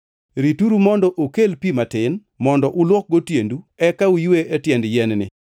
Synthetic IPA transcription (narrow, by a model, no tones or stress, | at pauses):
ɾituɾumɔndɔʔokelpimatɪn | mɔndɔʔʊlwɔk̚ɡotjenduɛkaujweʔetjɛndjɛnnɪ̰